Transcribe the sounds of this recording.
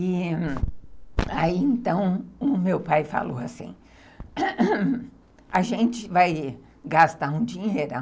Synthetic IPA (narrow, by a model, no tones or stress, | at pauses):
i | aiẽnt̪ɐ̃w̃ʊmewpajfa̰lo̰wasḭ̃ | aʒẽnt͡ʃɪvaj | ɡast̪aũd͡ʒĩɲejɾʊɐ